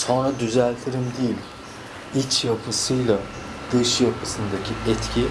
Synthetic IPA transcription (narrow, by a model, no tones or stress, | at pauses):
so̞nɾad̪yzælʲt̪ʰiɾimd̪ijilʲ | it͡ʃjapʰɯsɯjlˠa | d̪̥ɯʃjapʰɯsɯnd̪acʰiɛt̪cʰi